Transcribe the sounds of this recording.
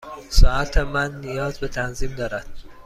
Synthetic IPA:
sɒːæt̪ʰemænːijɒːzbe̞t̪ʰænziːmd̪ɒːɾæd̪̥

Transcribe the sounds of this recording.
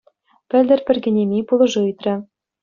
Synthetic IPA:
pʲɘ̆lʲd̪ɘ̆rpʲɘ̆rɡʲɘ̆nʲemʲipulˠɤ̆ʐɤɯt̪rʲɘ̆

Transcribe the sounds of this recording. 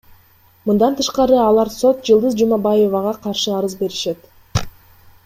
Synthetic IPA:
mɯnd̪ɑnt̪ʰɯʃqɑɾɯɑlˠɑɾso̞t̪̚d͡ʒɯlˠd̪ɯzd͡ʒumɑbɑje̞vɑʁɑqʰɑɾʃɯɑɾɯzbe̞ɾiʃe̞t̪

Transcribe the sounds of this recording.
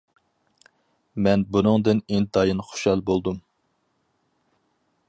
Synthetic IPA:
mɛnbunɨŋd̪ɨniŋt̪ɑjɨnχo̥ʃɑlˠbolˠd̪um

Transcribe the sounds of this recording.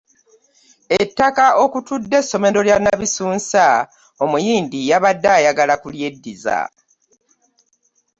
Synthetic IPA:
etːakaʔo̞kutudːe̞sːo̞me̞ɾo̞ljanaβisuːnsa | o̞mujiːndijaβadːaːjaɡalakulje̞dːiza̰

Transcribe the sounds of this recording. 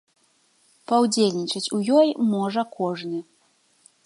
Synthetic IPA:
pɐwd͡zʲelʲnʲit͡ʂɐt͡sʲujɔjmɔʐɐkʰɔʐnɨ

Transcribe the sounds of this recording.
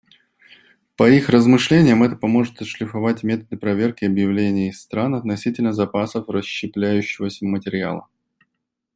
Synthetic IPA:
pɐixrəzmɨʂlʲenʲɪjəmɛt̪əpɐmo̞ʐɨt̪ɐʂlʲɪfɐvatʲmʲe̞t̪əd̪ɨpɾɐvʲe̞rkʲɪɐbjɪvlʲenʲɪːst̪ɾanɐt̪nɐsʲitʲɪlʲnəzɐpasəfrəɕːɪplʲæjʉɕːɪvəsʲəmətʲɪɾʲɪa̰lˠə̰

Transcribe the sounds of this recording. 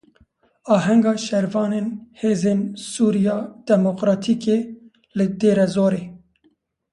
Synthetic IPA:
ɑːɦɛŋɡɑːʃɛɾvɑːneːnheːzeːnsuːɾijɑːd̪̥ɛmokɾɑːt̪ʰiːkeː | lɨd̪eːɾɛzoːɾeː

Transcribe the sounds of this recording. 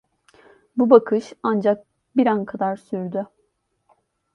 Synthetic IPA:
bubakʰɯʃand͡ʒak̚ | biɾankʰad̪aɾsyɾd̪y

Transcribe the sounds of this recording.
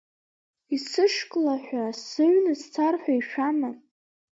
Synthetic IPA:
isɨʂkʼlaħʷᶣasɨɥnɨst͡sʰarħʷᶣaiʃᶣama

